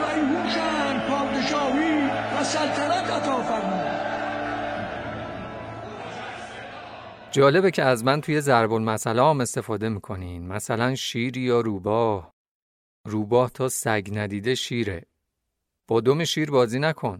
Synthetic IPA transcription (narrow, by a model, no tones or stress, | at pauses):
æjihuːʃænpʰɒːd̪eʃɒːhiːvæsælt̪ʰænæt̪æt̪ʰɒːfæɾmuːd̪d̪ | d͡ʒɒːle̞becʰeæzmænt̪ʰuje̞zæɾbo̞lmæsæleɒme̞st̪e̞fɒːd̪e̞miːkʰo̞niːnmæsælænʃiːɾiːjɒːɾuːbɒːh | ruːbɒːht̪ʰɒːsæɟnæd̪iːd̪e̞ʃiːɾḛ | b̥ɒːd̪o̞meʃiːɾbɒːziːnækʰo̞n